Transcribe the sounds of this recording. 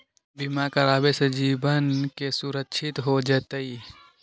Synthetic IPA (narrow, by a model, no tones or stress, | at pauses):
bimakəɾaːbesed͡ʒiːbənkesuɾəkːʃʰɪt̪ɦod͡ʒɛːt̪əi